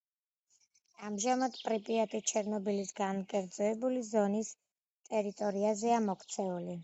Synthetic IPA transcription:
amʒamad̪pʼɾipʼiat̪ʼit͡ʃʰɛɾnɔbilisɡankʼɛɾd̪zɔɛbulizɔnis | t̪ʼɛɾit̪ʼɔɾiazɛamɔkʰt̪sʰɛuli

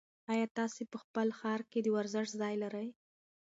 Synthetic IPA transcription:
ɑjɑt̪ɑsepəxpəlxɑɾked̪əwaɾzɪʂzɑjlaɾəj

